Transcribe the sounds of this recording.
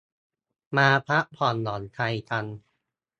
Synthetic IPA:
maː˧pʰa˦˥ʔpʰɔː˨˩nlɔː˨˩˦nt̪ʰa˧jt̪ʰa˧n

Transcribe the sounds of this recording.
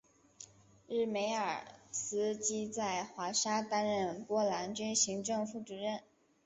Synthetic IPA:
ɻɻ̩˥˩me˧˥ɪə˞˨˩sɹ̩˥t͡ɕi˥t͡sa˥˩ɪxwa˧˥ʂa˥t̪a˥nɻə˥˩npwɔ˥la˧˥nt͡ɕy˥nɕi˧˥ŋʈ͡ʂɤ˥˧ŋfu˥˩ʈ͡ʂu˨˩ɻə˥˩n

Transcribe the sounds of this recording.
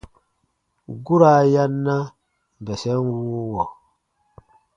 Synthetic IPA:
ɡu˦ɾa˨ja˦nːa˦ | m˨bɛ˨sɛ˦nwu˦wɔ˨

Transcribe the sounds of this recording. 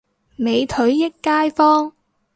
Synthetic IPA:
me˨˧jt̪ʰɵ˨˥ɥːɪ˥kːaː˥jfɔː˥ŋ

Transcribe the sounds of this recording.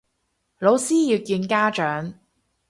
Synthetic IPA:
lo˨˧wsiː˥jiː˨˧kiː˧nkaː˥t͡ʃœː˨˥ŋ

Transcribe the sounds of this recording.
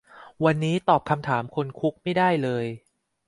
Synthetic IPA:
wa˧nːiː˦˥t̪ɔː˨˩p̚kʰa˧mt̪ʰaː˩˦mkʰo˧nkʰu˦˥k̚ma˥˩jdaː˥˩jlɤː˧j

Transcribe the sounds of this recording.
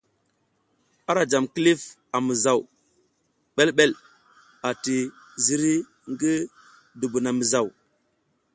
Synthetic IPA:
a˦ɾa˨d͡ʒa˨mki˦li˦f | a˨mi˨za˨w | ɓe˦lɓe˦l | a˨ti˨ | zi˦ɾi˦ | ŋɡi˦ | du˨bu˨na˨mi˨za˨w

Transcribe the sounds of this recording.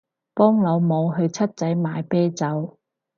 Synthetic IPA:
pɔː˥ŋlɐ˨˧wmo˨˧wɦɵ˧ɥt͡sʰɐ˥t̚t͡sɐ˨˥jmaː˨˧jpɛː˥t͡sɐ˨˥w

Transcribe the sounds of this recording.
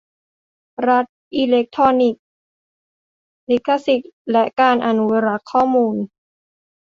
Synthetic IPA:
ɾa˦˥t̪̚ʔi˧le˦˥k̚t̪ʰɔː˧ni˨˩k̚ | li˦˥kʰːa˧si˨˩t̪̚lɛ˦˥ʔkaː˧nʔa˧nu˦wa˧ɾa˦˥kʰːɔː˥˩muː˧n

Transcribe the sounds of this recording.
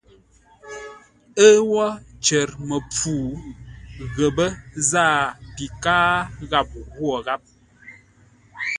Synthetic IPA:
ə˦wɔ˦t͡ʃə˨ɾmə˨p͡fuː˨ | ɣə˨bə˦zaː˦˨pi˨kaː˦ɣa˦˨p̚hwɔ˨ɣa˦p̚

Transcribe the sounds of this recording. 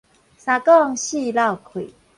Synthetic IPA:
sa˨kɔ˥˦˨ŋɕi˥˧la˥˨wkʰwḭ˨

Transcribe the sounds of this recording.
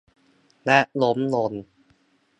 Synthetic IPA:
lɛ˦˥ʔlo˦˥mlo˧˩n

